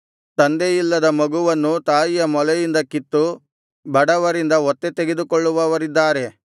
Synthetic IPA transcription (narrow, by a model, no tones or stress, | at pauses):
t̪ɐnd̪ejilːɐd̪ɐmɐɡuʋɐnːut̪aːjijɐmɔlɛjind̪ɐkit̪ːu | bɐɽɐʋɐɾind̪ɐɔt̪ːet̪eɡe̞d̪ukɔɭːuʋɐʋɐɾid̪ːaːɾe̞